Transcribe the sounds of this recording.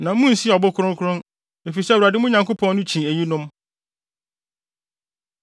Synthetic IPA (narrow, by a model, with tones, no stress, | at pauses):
nã˨˦mũ˦n̩˨si˦˨ɔ˨bɔ˦kʰʊ˦ɾʊ̃˦ŋkʰʊ˦ɾʊ̃˦n | e˨fi˨sɛ˦˨wa˨dɪ˦mʊ̃˦ɲã˨ŋko˦pʰɔ̃˦nːʊ̃˦t͡ɕʰĩ˨æ˨ji˦nʊ̃˦m